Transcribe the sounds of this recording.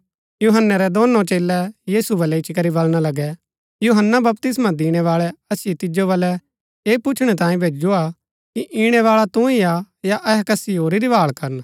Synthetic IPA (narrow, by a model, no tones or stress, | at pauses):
juɦənːəɾɛd̪oːnːõt͡ʃeːlɛjiːsubɐlɛɪt͡ʃkɐɾibɐlɽ̃alɐɡɛ | juɦənːabɐp̚t̪ɪsmãd̪iːɽ̃ɛʋaːɭɛɐsɪjet̪ɪd͡ʒobɐlɛ | eːpʊt͡ʃʰɽ̃ɛt̪ãːĩbʱeːd͡ʒd͡ʒoa | kiʔiɽ̃ɛʋaːɭat̪ũia | jaʔɛɦɛkɐsioːɾiɾibaːɭkɐɾən